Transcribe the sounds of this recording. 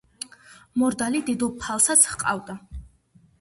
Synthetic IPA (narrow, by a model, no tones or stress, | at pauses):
mɔɾd̪alid̪id̪ɔpʰalˠsat̪sʰχqʼa̰vd̪a